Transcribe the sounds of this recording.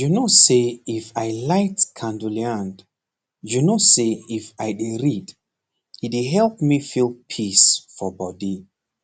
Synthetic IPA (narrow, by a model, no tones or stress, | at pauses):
junoseifajlaɪtkʰãnduliãnd | junoseifajdiɹid | hidiɦɛlˠpmifilˠpʰisfɔbɔdi